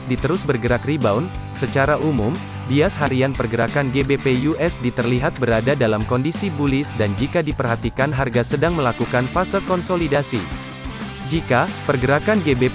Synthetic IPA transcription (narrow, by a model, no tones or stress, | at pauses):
sdit̪əɾʊsbərɡəɾakribawn | sət͡ʃaɾaʔumum | diasɦaɾianpərɡəɾakanɡebepejuʔɛsdit̪ərliɦat̪̚bəɾadadalamkɔndisibulɪsdand͡ʒikadipərɦat̪ikanɦarɡasədaŋməlakukanfasəlkɔnsolidasi | d͡ʒikapərɡəɾakanɡebe